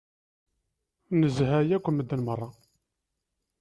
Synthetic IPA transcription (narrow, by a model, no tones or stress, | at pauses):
nəzɦæjækʷəmːəd̪ːənmərˤːɑ